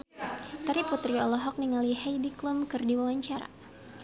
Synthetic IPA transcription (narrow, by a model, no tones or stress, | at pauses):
t̪aɾiput̪ɾiɔlɔɦɔk̚niŋaliɦajdiklumkɨrdiwawaɲt͡ʃaɾa̰